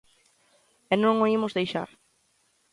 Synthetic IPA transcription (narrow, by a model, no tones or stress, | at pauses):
ɛnõŋoimʊzðejʃa̰ɾ